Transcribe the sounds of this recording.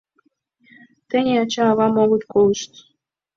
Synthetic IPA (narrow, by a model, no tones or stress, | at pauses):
t̪ɘ̆nʲeɑt͡ɕɑːβɑmoɣŭt̪kolˠɤʃt̪